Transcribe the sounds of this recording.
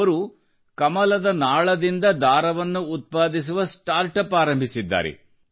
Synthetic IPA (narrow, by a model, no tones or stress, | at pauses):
ɐɾu | kɐmɐlɐd̪ɐnaːɭɐd̪ind̪ɐd̪aːɾɐʋɐnːuːt̪̚paːd̪is̬uʋɐsʈaːɾʈɐpaːɾɐmbʱisid̪ːa̰ːɾɛ̰